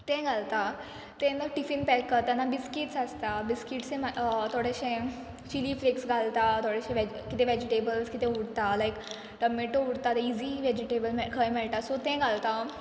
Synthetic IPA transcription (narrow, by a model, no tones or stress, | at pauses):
t̪ɛ̃ɡʱalt̪a | t̪ɛ̃nəɾʈifinpɛkət̪janːabiskiʈsast̪abiskiʈsẽmt̪ʰoɽeɕẽ | ɕilifɾeksɡʱalt̪at̪ʰoɽeɕɛ̃ʋɛkit̪ẽʋɛd͡ʑiʈebəlskit̪ɛ̃ɦuɽt̪alajk | ʈəmːeʈoɦuɽt̪at̪ẽiziʋed͡ʑiʈebəlmɛkʰəjmɛɭʈ̪asot̪ɛ̃ɡʱalt̪a